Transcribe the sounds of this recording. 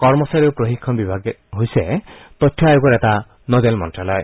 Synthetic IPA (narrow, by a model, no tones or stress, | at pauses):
kɔɾmɔsaɾiwpɾoɦikʰːɔnbibʱaɡeɦojset̪ɔt̪ʰːjɔajukɔɾet̪a | nɔd̪elmɔ̰nʈɾalɔe